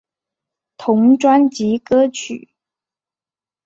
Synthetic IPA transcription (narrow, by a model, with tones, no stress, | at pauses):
t̪ʰʊ˧˥ŋʈ͡ʂwa˥nt͡ɕi˧˥kɤ˥t͡ɕʰy̰˨˩˦